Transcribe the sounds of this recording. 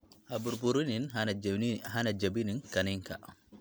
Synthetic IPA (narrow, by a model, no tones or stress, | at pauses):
habuɾpuɾunin | ɦanad͡ʒabininkaniŋka̰